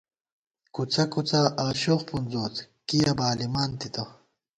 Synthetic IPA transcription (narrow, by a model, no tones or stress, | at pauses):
kut͡sɐkut͡saʔaːɕoχpunzoːt͡s̪ | kijabaːlimaːnt̪it̪a